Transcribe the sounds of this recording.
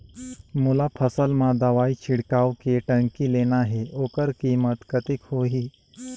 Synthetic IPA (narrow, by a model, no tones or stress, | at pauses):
mulapʰəsəlmãd̪əʋait͡ɕʰɪɽkawkeʈə̃ŋkileːnaɦeʔoːkəɾkiːmət̪kət̪ikhoːɦiː